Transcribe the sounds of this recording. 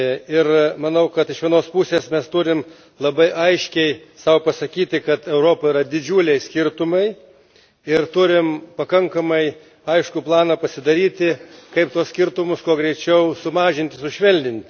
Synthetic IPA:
ɪrmɐnɐʊkɐt̪ɪʃʋʲiɛnoːspusʲeːsmʲɛst̪ʊɾʲɪm | lˠɐbɐɪʔɐɪʃʲkʲɛɪsɑʊpɐsɐkʲiːt̪ʲɪkɐt̪ɛʊɾoːpɐiːɾɐd̪ʲɪd͡ʒʲuːlʲɛɪsʲkʲɪrt̪ʊmɐɪ | ɪrt̪ʊɾʲɪmpɐkɐŋkɐmɐɪ | ɐɪʃkʊplˠɑːnɐpɐsʲɪd̪ɐɾʲiːt̪ʲɪkɐɪpt̪uɔssʲkʲɪɾt̪ʊmʊskuɔɡɾʲɛɪt͡ʃʲɛʊsʊmɑːʒʲɪnʲt̪ʲɪsʊʃʲʋʲɛlʲd̪ʲɪnʲt̪ʲɪ

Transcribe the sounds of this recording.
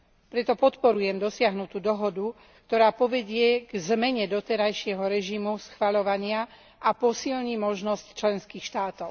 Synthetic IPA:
pɾɛt̪ɔpɔt̪pɔɾujɛmd̪ɔsɪaɦnut̪uːd̪ɔɦɔd̪u | k̚t̪ɔɾaːpɔʋɛɟɪɛɡzmɛɲɛd̪ɔt̪ɛɾajʃɪɛɦɔɾɛʒimusxʋaʎɔʋaɲɪa | apɔsilɲimɔʒnɔsct͡ʃlɛnskiːxʃt̪aːt̪ɔʊ

